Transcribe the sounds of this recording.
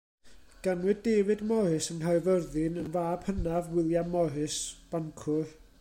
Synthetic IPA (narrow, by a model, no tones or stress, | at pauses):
ɡ̥anwɨdeːwɨdmɔhɨsənɦaɨvərðɪnənvaːb̥hənavwɪlˠjamɔɦɨsb̥ankʰʊr